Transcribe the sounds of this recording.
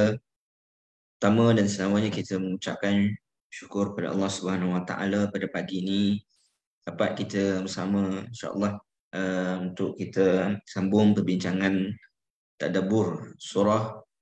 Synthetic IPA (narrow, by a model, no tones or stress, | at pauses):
ut̪amə̃dansənawaɲãkit̪əməŋut͡ʃa̰p̚kan | ʃu̥kʊrəpada̰ʔɑ̰lːɑhsubəhanawat̪a̰ʔa̰lapadapaɡiːni | d̥apat̪̚kit̪əbəsamə̃inʃa̰ʔə̰lːɑh | əunt̪ʊʔkːit̪əsambʊŋpərbiɲt͡ʃaŋãn | t̪a̰dabʊrsuɾɔh